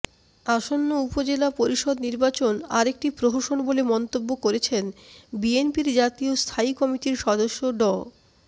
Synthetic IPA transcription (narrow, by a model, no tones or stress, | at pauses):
aʃonːoupod͡ʑelapoɾiʃɔd̪niɾbat͡ɕona̰ɾek̚ʈipɾoɦoʃonbolemɔnt̪obːokoɾet͡ɕʰenbienpiɾd͡ʑat̪iost̪ʰaikɔmiʈiɾʃɔd̪oʃːoɖɔ